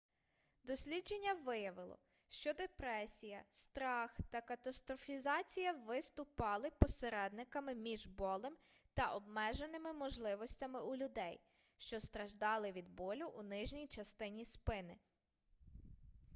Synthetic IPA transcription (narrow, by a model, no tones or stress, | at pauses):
d̪ɔsʲlʲidd͡ʒenʲːɐʋɪjɐʋɪlˠɔ̰ | ʃt͡ʃɔd̪epɾɛsʲijɐst̪ɾɑxt̪ɐkɐt̪ɐst̪ɾɔfʲizɑt͡sʲijɐʋɪst̪ʊpɑlˠɪpɔseɾɛd̪̚nɪkɐmɪmʲiʒbɔlˠɪmt̪ɐʔɔbmɛʒenɪmɪmɔʒlˠɪʋɔsʲtʲɐmɪʔulʲʊd̪ɛj | ʃt͡ʃɔst̪ɾɐʒd̪ɑlˠɪʋʲid̪̚bɔlʲʊʔunɪʒnʲijt͡ʃɐst̪ɪnʲispɪnɪ